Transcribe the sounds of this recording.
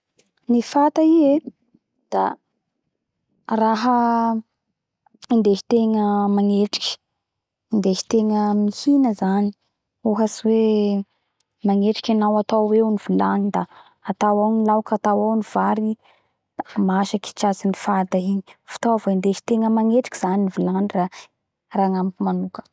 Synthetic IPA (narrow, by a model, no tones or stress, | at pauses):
nifat̪aie | d̪̥a̰ | raɦə | ind̪eɦi̥t̪eŋəmaŋeʈ͡ʂi̥kʲə̥ | ind̪eʃi̥t̪eŋəmihinəzani̥ | uɦasiwe | maŋeʈ͡ʂi̥kʲanawat̪awweunivulanid̪a | at̪awawnilawkat̪awawniv̥aɾi | maʃaki̥t͡ʃazinifad̪aiɲi̥fu̥t̪avaind̪eʃi̥t̪eŋəmaŋeʈ͡ʂi̥kʲiz̥aninivulanira | raŋampimanukə̥